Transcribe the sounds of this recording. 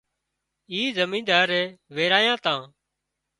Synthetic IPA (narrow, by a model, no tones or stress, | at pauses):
iːzəmĩːnd̪aːɾɛːʋeːɾaːjãːt̪ãː